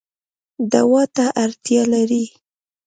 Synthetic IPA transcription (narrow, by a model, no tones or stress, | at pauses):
d̪awɑt̪aʔaɾt̪jɑlaɾi